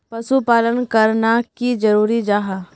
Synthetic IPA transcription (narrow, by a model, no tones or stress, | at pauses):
pɐsupaːlənkɐɾnakid͡ʒɐɾuːɾid͡ʒaːɦaː